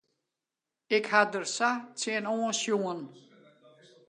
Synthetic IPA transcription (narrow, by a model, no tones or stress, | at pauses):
eɡ̥had̪əɾsat͡sʰeenɔːsjoːn